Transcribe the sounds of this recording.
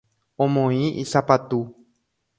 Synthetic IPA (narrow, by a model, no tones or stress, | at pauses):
õmõĩʔisapat̪u